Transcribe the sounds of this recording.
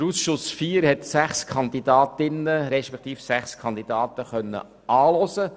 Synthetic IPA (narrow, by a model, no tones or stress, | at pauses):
əɾuːsʃʊsfiːəɾhɛt̪sæχskʰɑnd̪id̪ɑːt̪ɪnəɾɛʃpɛkt̪iːfsæχskʰɑnd̪id̥ɑːt̪əχœnːə̰ | ɑːlɔsə